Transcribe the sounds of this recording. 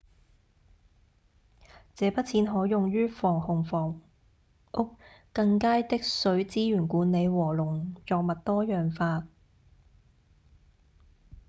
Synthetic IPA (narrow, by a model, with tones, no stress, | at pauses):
t͡sɛː˨˧pɐ˥t̚t͡sʰiː˨˥nɦɔː˨˥jʊ˨ŋɥyː˥fɔː˨˩ŋhʊ˨ŋfɔː˨˩ŋ | ʔʊ˥k̚kɐ˧ŋkaː˥jt̪ɪ˥k̚sɵ˨˥ɥt͡siː˥jyː˨˩nkuː˨˥nne˨˧jwɔː˨˩lʊ˨˩ŋjɔː˨k̚mɐ˨t̚t̪ɔː˥jœː˨˩ŋfaː˧t̚